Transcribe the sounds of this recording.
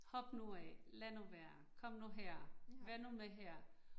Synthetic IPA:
hɒ̽b̥nuɛlænuʋæɐ | kʰɒ̽m̰nuɦɛɐ̰ʋæɐnumeɦɛɐ̰

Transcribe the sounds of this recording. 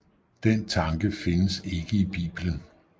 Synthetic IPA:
d̥ent͡sʰɑ̈ŋɡ̥əfe̝nəse̝ɡ̥əib̥ḭːb̥lən

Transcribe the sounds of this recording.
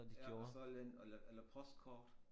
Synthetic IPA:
d̥iɡjo̝ːɐsɒlenelɐʔelɐpʰɒ̽sd̥kʰɒ̰ːd̥

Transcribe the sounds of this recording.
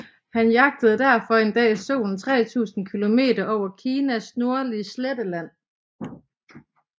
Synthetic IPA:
hænjɑ̈ɡ̥̚d̥əð̞̩ˠd̥æɐ̰fɒ̽e̝nd̥ɛ̰ːso̝̰ːn̩t͡sʰʁɛ̰ːt͡sʰṵːsn̩kʰilo̝me̝̰ːdɐʔɒʊ̰ɐkʰiːnæsno̝ɐliəsled̥əlæn̰

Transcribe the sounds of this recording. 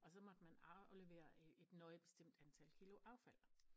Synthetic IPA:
ɒ̽sɒ̽mɒ̽d̥əmænɑleʋe̝̰ːɐe̝d̥nɔ̽ɪb̥e̝̥sd̥em̰d̥ænt͡sʰælkʰilo̝ʔɑ̈ʊfæl̰

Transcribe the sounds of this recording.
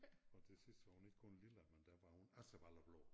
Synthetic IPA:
ɒt͡sʰe̝sisd̥əʋɑ̈hune̝ɡ̥̚kʰɔnliləmend̥æʋɑ̈hunæsəb̥alɐb̥lɔ̰ː

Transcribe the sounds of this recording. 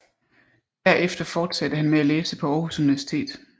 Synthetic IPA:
d̥æɐ̰ʔefd̥ɐfɒːd̥sæd̥əhænmeæleːsəpʰɒ̽ɒːhusuniʋæɐsi̥t͡sʰe̝̰ːd̥

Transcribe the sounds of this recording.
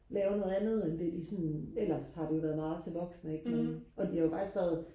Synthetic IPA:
lɛːʊɐno̽ːð̩ˠænð̞̩ˠend̥ed̥isɒnel̰ɐshɑ̈d̥e̝jo̝ʋæːɐðˠmɑ̈ːð̞̩ˠt͡sʰe̝lʋɒ̽ɡ̥snəeɡ̥noʔɒ̽d̥ihɑ̈jofɑ̈ɡ̥isɡ̥ʋæːɐð̞ˠ

